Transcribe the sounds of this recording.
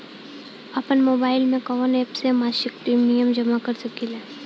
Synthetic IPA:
ɐpənmoːbaːɪlmẽkɔːʋəneːpsemaːʃɪkʈimnijəmd͡ʒɐmakɐɾsɐkilɛː

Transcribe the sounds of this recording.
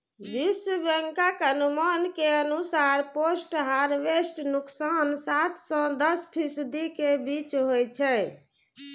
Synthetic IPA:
biswəbəŋkakənumankeənusaɾposʈɦaɾʋesʈnuksansat̪ʰsə̃d̪əspʰisd̪ikebit͡ʃɦojt͡ʃʰɛ

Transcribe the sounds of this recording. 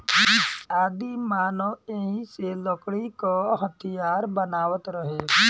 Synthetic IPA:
aːd̪imaːnoeɦĩselɔkɽikoɦət̪ʰijaːɾbənaːʋət̪ɾəɦe

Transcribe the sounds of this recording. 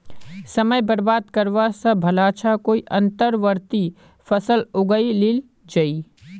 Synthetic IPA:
sɐməjbəɾbaːd̪kɐɾʋasɐbʱɐlaːt͡ʃʰakoːiʔɐ̃nt̪əɾʋəɾt̪i | fʰɐsəlʊɡəilɪl | d͡ʒɐi

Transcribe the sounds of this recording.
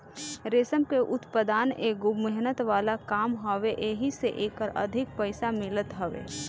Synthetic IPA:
ɾeːsəmkeʔʊt̪pəd̪aːneːɡʊːɛɦnət̪ʋaːlakaːmɦəʋeʔeːɦiseʔeːkəɾɐ̰d̪ʱɪk̚pəɪsamɪlət̪ɦɐʋḛː

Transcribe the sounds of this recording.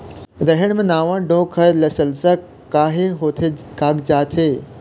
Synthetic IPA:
ɾɐɦɪɽ̃mẽnaːʋãːɖõːkʰɐɾlɐsəlsa | kaːɦeɦoːt̪ʰekaːɡd͡ʑaːt̪ʰeː

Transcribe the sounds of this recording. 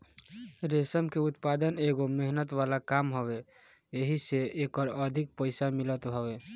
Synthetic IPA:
ɾesəmkeut̪pad̪əneɡomeɦnət̪ʋalakamɦobe | eɦiseekəɾəd̪ʱik̚pəɪsamilət̪ɦɔbe

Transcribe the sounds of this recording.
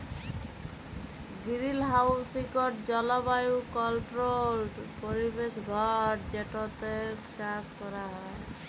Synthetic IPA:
ɡiɾilɦawsikɔʈd͡ʒɔlɔbajukɔlʈɾolʈpoɾibesɡʱɔʈ̚d͡ʒeʈɔt̪et͡ʃaskɔɾaɦɔe

